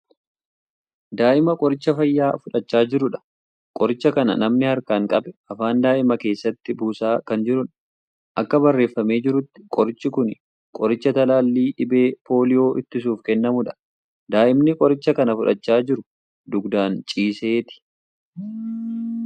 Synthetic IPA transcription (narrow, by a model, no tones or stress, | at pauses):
d̪aːʔɪmɐkʼɔɾɪt͡ʃːɐfɐjːaːfʊᶑɐt͡ʃːaːd͡ʒɪɾʊᶑɐ̥ | kʼɔɾɪt͡ʃːɐkɐnɐ̰nɐmnɪhɐɾkaːŋkʼɐbɛʔɐfaːnd̪aːʔɪmɐke̞ːsːɐt̪ːɪbuːsaːkɐnd͡ʒɪɾʊᶑ | ʔɐkːɐbɐrːe̞ːfːɐme̞ːd͡ʒɪɾʊt̪ːɪ̥kʼɔɾɪt͡ʃːɪkʊn | kʼɔɾɪt͡ʃːɐt̪ɐlaːlːiːᶑɪbe̞ːpo̞ːlɪjo̞ːʔɪt̪ːɪsuːfkɛnːɐmʊᶑɐ̥ | d̪aːʔɪmnɪkʼɔɾɪt͡ʃːɐkɐnɐfʊᶑɐt͡ʃːaːd͡ʒɪɾʊ | d̪ʊɡd̪aːnt͡ʃʼiːseːt̪ɪ̥